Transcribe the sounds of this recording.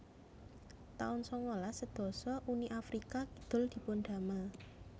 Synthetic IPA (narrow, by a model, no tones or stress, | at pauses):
t̪a̰ʊnsɔŋolasəd̪̥ɔ̤sɔʔuniʔafɾikakid̪̥ʊ̤ld̪̥i̤ponɖ̥a̤ma